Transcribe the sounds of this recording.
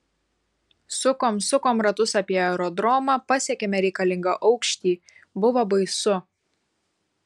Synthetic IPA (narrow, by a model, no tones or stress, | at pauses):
sʊkoːmsʊkoːmɾɐt̪ʊsɑpʲiɛɛɾɔd̪ɾɔmɑːpɐsʲɛkʲeːmʲɛɾʲɛɪkɐlʲɪ̃ŋɡɐʔɐʊkʃʲt̪ʲiː | bʊʋobɐɪsʊ